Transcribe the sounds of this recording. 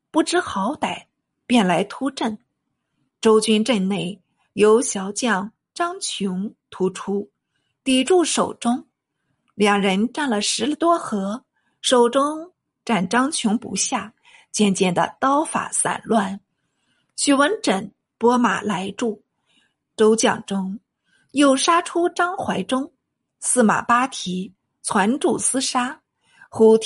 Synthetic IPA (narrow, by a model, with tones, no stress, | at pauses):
pu˥˩ʈ͡ʂɻ̩˥xɑ˧˥ʊt̪a˨˩ɪ | pjɛ˥˩nla˧˥ɪt̪ʰu˥ʈ͡ʂə˥˩n | ʈ͡ʂo˥ʊt͡ɕy˥nʈ͡ʂə˥˧nne˥˩ɪ | jo˧˥ʊɕjɑ˧˥ʊt͡ɕjɑ˥˩ŋ | ʈ͡ʂɑ˥ŋt͡ɕʰjʊ˧˥ŋt̪ʰu˧˥ʈ͡ʂʰu˥ | t̪i˨˩ʈ͡ʂu˥˩ʂo˨˩ʊʈ͡ʂʊ˥ŋ | ljɑ˨˩ŋɻə˧˥nʈ͡ʂa˥˩nlə˩ʂɻ̩˧˥li˧˥t̪wɔ˥xɤ˧˥ | ʂo˨˩ʊʈ͡ʂʊ˥ŋ | ʈ͡ʂa˥˩nʈ͡ʂɑ˥ŋt͡ɕʰjʊ˧˥ŋpṵ˧˥ɕja˥˩ | t͡ɕjɛ˥˧nt͡ɕjɛ˥˩nd̪ə̰˩t̪ɑ˥ʊfa̰˨˩sa̰˨˩nlwa˥˩n | ɕy˨˥˩wə˧˥nʈ͡ʂə˨˩n | pwɔ˥ma̰˨˩la˧˥ɪʈ͡ʂu˥˩ | ʈ͡ʂo˥ʊt͡ɕjɑ˥˩ŋʈ͡ʂʊ˥ŋ | jo˥˩ʊʂa˥ʈ͡ʂʰu˥ʈ͡ʂɑ˥ŋxwa˧˥ɪʈ͡ʂʊ˥ŋ | sɹ̩˥˩ma̰˨˩pa˥t̪ʰi˧˥ | t͡sʰwa˧˥nʈ͡ʂu˥˩sɹ̩˥ʂa˥ | xu˧˥t̪ʰ